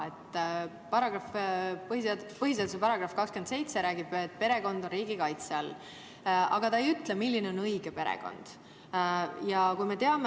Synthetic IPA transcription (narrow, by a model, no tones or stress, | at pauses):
e̞t̪ː | pɑɾɑɡrɑfpɤɦhiset̪pɤɦis̬et̪usepɑɾɑɡ̥rɑfkɑkskyend̪se̞jt̪se̞ɾæːɡib̥et̪̚ːpe̞ɾe̞ɡo̞nd̪̥o̞nriːɡ̥ikɑjt̪seɑl | ʔɑ̰ɡ̥ɑt̪ɑejyt̪lemilʲːine̞o̞nɤjɡ̥e̞pe̞ɾḛɡ̥o̞̰nd̪̥ | jɑkujme̞t̪e̞ɑm